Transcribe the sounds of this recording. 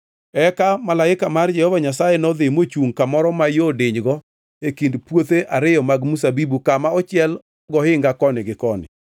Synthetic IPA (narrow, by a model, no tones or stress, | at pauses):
ɛkamalaɪkamard͡ʒɛhɔvaɲasajenɔðɪmot͡ʃuŋkamɔɾɔmajodɪɲɡɔ | ekindpwot̪eʔaɾɪjɔmaɡmus̬abibukamaɔt͡ʃɪɛl | ɡɔhɪŋɡakɔnɪɡɪkɔnɪ̰